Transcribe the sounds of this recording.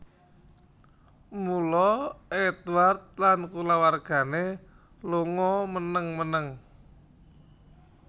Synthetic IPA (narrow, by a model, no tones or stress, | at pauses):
mulɔɛt̪wart̪̚lankulawarɡ̥a̤ne | loŋɔmənəŋmənəŋ